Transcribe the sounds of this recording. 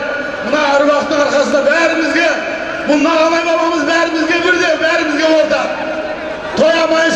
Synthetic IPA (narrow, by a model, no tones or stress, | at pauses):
mənɑʊɾubɑqt̪ːəɴɑɾχɑsənd̪ɑbæɾɪmɪzɡʲe̞ | bʊlˠnɑɑlˠɑjmɑlˠɑməzbæɾɪmɪzɡʲe̞bɪɾd̪ebæɾɪmɪzɡʲe̞bo̞lˠd̪ə | t̪ʰo̞jɑmɑjʃ